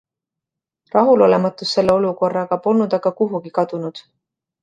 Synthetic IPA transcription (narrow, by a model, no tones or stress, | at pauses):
rɑɦulo̞le̞mɑt̪ːˑusːe̞lːe̞o̞luko̞rːɑkɑpo̞lnud̪̥ɑɡ̥ɑkuɦuɡ̥ikɑd̪̥unud̪̥